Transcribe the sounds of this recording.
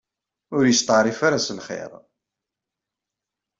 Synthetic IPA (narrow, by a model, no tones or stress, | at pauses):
ʊɾjəst̪ˤɑɾˤifaɾasəlχḛɾˤ